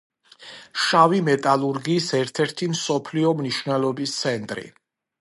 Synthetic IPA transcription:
ʃavimɛt̪ʼalˠuɾɡiːsɛɾt̪ʰɛɾt̪ʰimsɔpʰliɔmniʃvnɛlˠɔbist̪sʰɛnt̪ʼɾḭ

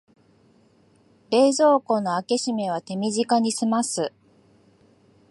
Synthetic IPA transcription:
e̞ːzo̞ːko̞no̞ake̞ɕime̞β̞at̪e̞mʲiʑikaɲ̟isɨmasɨ

